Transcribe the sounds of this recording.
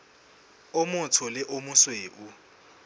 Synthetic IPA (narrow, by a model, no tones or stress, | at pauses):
ʊmʊtʰɔlɪʔomʊsweːʔu